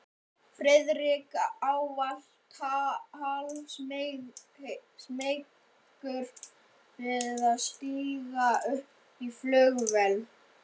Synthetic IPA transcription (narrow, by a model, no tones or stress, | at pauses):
fɾɛðɾikaːwval̥ | t̪ʰaal | smejk | kʏɾ | vɪðaðst̪iːɣaʏhp | iflœːɣvɛln